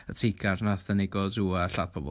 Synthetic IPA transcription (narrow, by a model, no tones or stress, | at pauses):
ətʰeɡʰarnaθənɪɡɔduaɬadpʰɔbɔ̰